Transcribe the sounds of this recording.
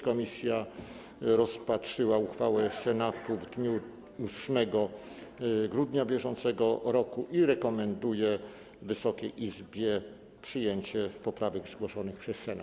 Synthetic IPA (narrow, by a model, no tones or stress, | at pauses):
kɔmʲisʲja | ɾɔspatʂɘwauxfawɛsɛnat̪uvd̪ɲu | usmɛɡɔ | ɡɾud̪ɲabʲjɛʐɔnt̪sɛɡɔɾɔkuʔiɾɛkɔmɛnd̪ujɛ | vɘsɔkʲɛjʔizbʲjɛ | pʂɘjeɲt͡ɕɛpɔpɾavɛɡzɡwɔʂɔnɘxpʂɛsːɛna̰t̪